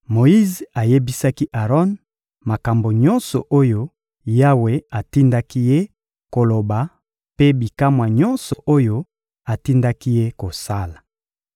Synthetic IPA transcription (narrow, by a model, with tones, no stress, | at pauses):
mo˨i˦za˨je˦bi˦sa˦ki˦ʔa˨ʁɔ˦n | ma˨ka˨mbo˨ɲɔ˦nsɔ˨ʔo˦jo˦ | ja˦we˨a˨ti˦nda˦ki˦je˦ | ko˨lo˨ba˨ | pe˦bi˨ka˦mwa˨ɲɔ˦nsɔ˨ʔo˦jo˦ | a˨ti˦nda˦ki˦je˦ko˨sa˦la˨